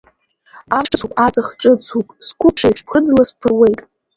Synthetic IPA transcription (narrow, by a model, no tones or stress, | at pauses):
aʂt͡sʰukʷʼat͡sʼaχʈ͡ʂʼɨt͡sʰupʼskʷʰʊpʰʂajʈ͡ʂʰpʰχəd͡zlaspʰɨrwejtʼ